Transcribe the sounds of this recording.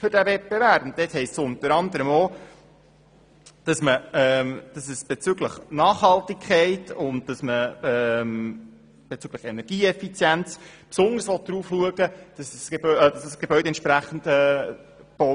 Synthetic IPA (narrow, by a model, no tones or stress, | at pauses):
fʏɾd̥ævɛt̚b̥evæɾb̥ʊnt̚dethɛɪssʊnt̪əɾɑnd̪əɾəmoː | d̥ɑsməɛmd̥ɑsəsb̥et͡syɡləχnɑːχhɑltikʰɛɪtʊnt̚tɑsməɛm | b̥et͡syɡləχɛnɛɾɡ̥iːɛfit͡sjænt͡spsʊndəɾsʋɔt̚d̥̪ɾuːfluəɡəd̥ɑsəsebœdɑssɡ̥ebœʏdeɛnt͡ʃʃpɾæχən̩dɛː | b̥ɔ